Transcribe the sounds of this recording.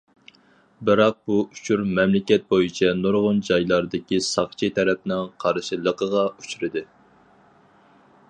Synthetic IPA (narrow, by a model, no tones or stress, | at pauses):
bɨɾɑq̚buu̥t͡ʃʰuɾmɛmlɪkʲɛt̪̚bojit͡ʃʰɛnoɾʁʊnd͡ʒɑjlˠɑɾd̪ɪkʲisɑχt͡ʃʰit̪ʰɛɾɛpnɪŋqʰɑɾʃilˠəqəʁɑut͡ʃʰyɾɪd̪ɨ